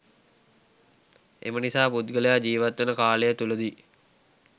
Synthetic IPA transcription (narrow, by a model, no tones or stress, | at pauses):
ḛmənisaːput̪ɡələjad͡ʒiːʋat̪ʋənəkaːləjət̪uləd̪i